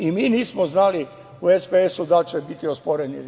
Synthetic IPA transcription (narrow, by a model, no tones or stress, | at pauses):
imiːniːsmoznali | uespeesud̪at͡ʃebit̪iospoɾeni